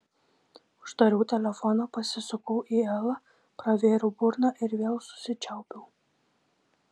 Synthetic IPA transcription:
ʊʃd̪ɐɾʲuːt̪ʲɛlʲɛfɔnoːpɐsʲɪsʊkɔʊʔiːɛlˠɐ | pɾɐʋʲeːɾubʊɾnɑʔɪɾʋʲeːlˠsʊ̥sʲɪt͡ʃʲɛʊpʲɛʊ

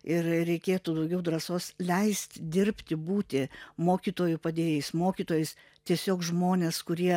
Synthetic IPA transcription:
ɪrɾʲɛɪkʲeːt̪uːd̪ɐʊɡʲɛʊd̪rɐsoːslʲɛɪsʲt̪ʲd̪ʲɪɾʲpʲt̪ʲɪbuːt̪ʲɪmoːkʲiːt̪oːjʊpɐd̪ʲeːjɛɪsmoːkʲiːt̪oːjɛɪs | t̪ʲiɛsʲoːkʒmoːnʲeːskʊɾʲiɛ

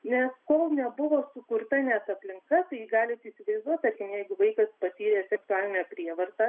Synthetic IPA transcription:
nʲɛskoːlˠnʲɛbʊʋoːsʊkʊrt̪ɐnʲɛsɐpʲlʲɪŋkɐt̪ɐɪjɪɡɑːlʲɪt̪iːsʲɪʋɐɪzd̪uɔt̪ɐɾʲkʲɪmjɛɪɡʊʋɐɪkɐspɐt̪ʲiːɾʲeːsʲɛksʊɑːlʲɪnʲɛpʲɾʲiɛʋɐrt̪ɑ

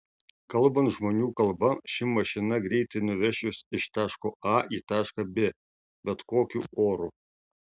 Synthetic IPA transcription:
kɐlˠbɐnt̪ʒmoːnʲuːkɐlˠbɐʃʲɪmɐʃʲɪnɐɡɾʲɛɪt̪ɐɪnʊʋʲɛʃʲʊsɪʃt̪ɑːʃkoːʔɑːiːt̪ɑːʃkɐbʲeː | bʲɛt̪koːkʲuːoːɾu

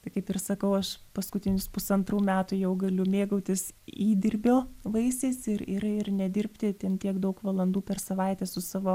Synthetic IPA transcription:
t̪ɐɪkɐɪpɪrsɐkɐʊɐʃpɐskʊt̪ʲɪnʲɪspʊsɐnt̪ruːmʲæːt̪ujɛʊɡɐlʲʊmʲeːɡɐʊt̪ʲɪsiːd̪ʲɪrʲbʲoːʋɐɪsʲeɪsɪɾɪɾɪrnʲɛd̪ʲɪrʲpʲt̪ʲɪt̪ʲɛnt̪ʲiɛkd̪ɐʊkʋɐlˠɐnd̪uːpʲɛrsɐʋɐɪt̪ʲɛsʊsɑːʋoː

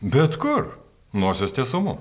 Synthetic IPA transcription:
bʲɛt̪kʊr | noːsʲɛst̪ʲeːsʊmʊ

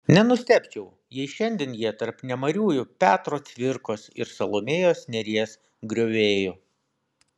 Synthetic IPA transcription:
nʲɛnʊsʲt̪ʲæpʲt͡ʃʲɛʊ | jiɛɪʃʲɛnʲd̪ʲeːnjiɛt̪ɐɾpnʲɛmɐɾʲuːjʊpʲæːt̪ɾoːt̪ʲʋʲɪɾkoːsɪ̰ɾsɐlˠomʲeːjoːsnʲɛɾʲiɛs | ɡɾʲoːʋʲeːjo

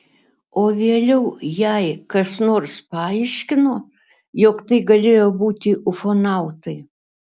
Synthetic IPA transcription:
oːʋʲeːlʲɛʊjɛɪkɐsnoːɾspɑːɪʃʲkʲɪnoː | jokt̪ɐɪɡɐlʲeːjoːbuːt̪ʲɪʔʊfoːnɑˑʊt̪ɐɪ

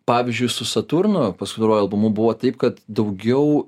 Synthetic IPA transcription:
pɑːʋʲɪzʲd͡ʒʲʊɪsʊsɐt̪uɾnʊpɐskʊɪt̪ɐɾoːjʊɐlˠbʊmʊbʊʋoːt̪ɐɪpkɐt̪d̪ɐʊɡʲɛʊ

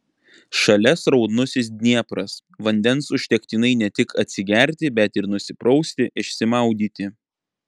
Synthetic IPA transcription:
ʃɐlʲɛsɾɒʊd̪nʊsʲɪsd̪ʲnʲiɛpɾɐs | ʋɐnʲd̪ʲɛnsʊʃʲt̪ʲɛkʲt̪ʲinɐɪnʲɛt̪ʲɪkʰɐt̪ʲsʲɪɡʲæˑɾʲt̪ʲɪbʲɛt̪ɪɾnʊsʲɪpɾɒʊsʲt̪ʲɪʔɪʃʲsʲɪmɑˑʊd̪ʲiːt̪ʲɪ

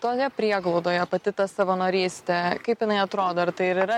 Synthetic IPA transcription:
t̪oːjɛpʲɾʲiɛɡlˠɐʊd̪oːjɛpɐt̪ʲɪt̪ɐsɐʋoːnoːɾʲiːsʲt̪ʲɛkɐɪpjɪnɐɪɐt̪ɾoːd̪ɐɪɾt̪ɐɪɪɾɪɾɐ

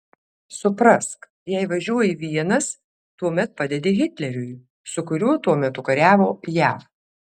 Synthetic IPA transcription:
sʊpɾɐsk | jɛɪʋɐʒʲuɔjiʋʲiɛnɐs | t̪uɔmʲɛt̪̚pɑd̪ʲɛd̪ʲeːɣʲɪt̪ʲlʲɛɾʲʊj | sʊkʊɾʲuːt̪uɔmʲɛt̪ʊkɐɾʲæːʋoːjæːf

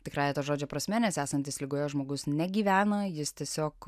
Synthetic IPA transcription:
t̪ʲɪkrɑːjɛt̪oʒoːd͡ʒʲoːpɾɐsʲmʲɛnʲɛsæːsɐnʲt̪ʲɪslʲɪɡoːjoːʒmoːɡʊsnʲɛɡʲiːʋʲæːnɐjɪst̪ʲiɛsʲoːk

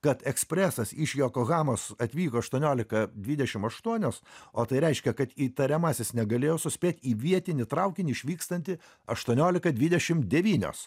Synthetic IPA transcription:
kɐt̪ɛksʲpʲɾʲæsɐsɪʃjoːkoɣɑːmoːsɐt̪ʲʋʲiːkoːɐʃt̪uɔnʲoːlʲɪkɐd̪ʲʋʲid̪ʲɛʃʲɪmɐʃt̪uɔnʲoːsoːt̪ɐɪɾʲɛɪʃʲkʲɛkɐt̪iːt̪ɐɾʲɛmɑːsʲesnʲɛɡɐlʲeːjoːsʊsʲpʲeːt̪ʲiːʋʲiɛt̪ʲɪnʲɪt̪ɾɐʊkʲɪnʲɪɪʃʲʋʲiːkst̪ɐnʲt̪ʲɪ | ɐʃt̪uɔnʲoːlʲɪkɐd̪ʲʋʲɪd̪ʲɛʃʲɪmd̪ʲɛʋʲiːnʲo̰ːs

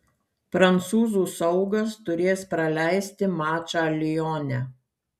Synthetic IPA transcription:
pɾɐnt̪suːzuːsɒʊɡɐst̪ʊɾʲeːspɾɐlʲæˑɪsʲt̪ʲɪmɑːt͡ʃɑɐlʲɪjoːnʲæ

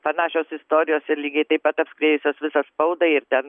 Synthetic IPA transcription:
pɐnɑːʃʲoːsɪst̪oːɾʲɪjoːsʲɛlʲiːɡʲɛɪt̪ɐɪpɐt̪ɐpʲsʲkɾʲeːjʊsʲoːsʋʲɪsɐspɐʊd̪ɐɪɾt̪ʲɛn

